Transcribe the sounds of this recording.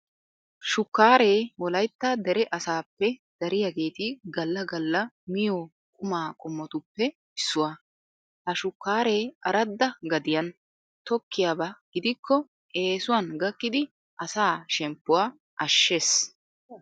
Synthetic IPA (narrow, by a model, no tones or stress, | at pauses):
ʃʊkːaːɾe̞ːwɔlɐjt̪ːɐd̪ɛɾɛʔɐsaːpːɛd̪̥ɐɾɪjaɡe̞ːt̪ɪɡɐlːɐɡɐlːɐ | mɪjoː | kʼʊmaːkʼʊmːɔt̪ʊpːɛ | ɪsːʊwa | hɐʃʊkːaːɾe̞ːʔɐɾɐd̪ːɐɡɐd̪ɪjɐn | t̪ɔkːɪjaːbɐɡ̥ɪd̪ɪkːɔ | ʔe̞ːsʊwanɡɐkːɪd̪ɪ | ʔɐsaːʃɛmpːʊwaː | ʔɐʃːeːs